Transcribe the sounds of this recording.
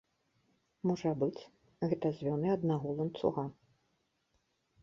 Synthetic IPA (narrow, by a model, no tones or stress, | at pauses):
mɔʐɐbɨt͡sʲ | ɣɛt̪ɐzʲvʲɔnɨɐd̪naɣɔlˠɐnt̪sṵɣa